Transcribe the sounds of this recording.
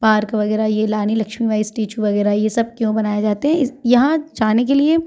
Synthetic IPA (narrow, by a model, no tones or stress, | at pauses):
paːɾkʋɐɡɛːɾajelaːnilɐkʃmiʋaːisʈiːt͡ʃuʋɐɡɛːɾajesɐb̚kjõbɐnaːjad͡ʒaːt̪eɦɛ̃ɪjɐɦãd͡ʒaːnek̬elie